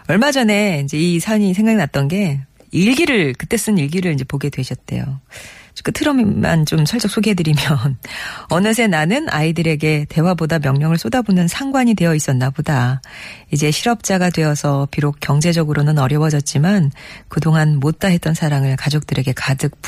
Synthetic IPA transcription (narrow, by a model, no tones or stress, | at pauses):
ʌɭmad͡ʑʌne̞ind͡ʑe̞isʰaɲisʰe̞ŋɡaŋnat̚t͈ʌnɡe̞ | iɭɡiɾɯɭkɯt͈e̞s͈ɯniɭɡiɾɯɭind͡ʑe̞poɡe̞dwe̞ɕʰʌt̚t͈e̞̰jo̰ | k͈ɯtʰɯɾʌmma̰nt͡ɕomsʰʌɭt͡ɕ͈ʌks͈ʰoɡiɦedɯɾimjʌnʌnɯs̬ʰe̞nanɯnʔa̰idɯɾe̞ɡe̞te̞wabodamjʌŋɲʌŋɯɭs͈odabonɯnsʰaŋɡwaɲidwe̞jʌis͈ʌnːaboda | id͡ʑe̞ɕʰiɾʌp̚t͡ɕ͈aɡadwe̞ʌsʰʌpiɾok̚k͈jʌŋd͡ʑe̞d͡ʑʌɡɯɾonɯnʌɾjʌwʌd͡ʑʌt̚t͡ɕ͈imankɯdoŋɦanmot̚t͈aɦe̞t͈̚ʌnsʰaɾaŋɯɭkad͡ʑok̚t͈ɯɾe̞ɡe̞kadɯk̚p